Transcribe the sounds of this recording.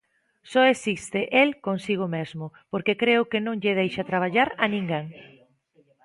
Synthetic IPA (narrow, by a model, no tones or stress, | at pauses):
sɔesist̪ɪʔelkonsiɣ̞ʊmezmʊpoɾkekɾeʊkɪnõŋʎeðejʃat̪ɾaβ̞aʎaɾanĩŋɡeŋ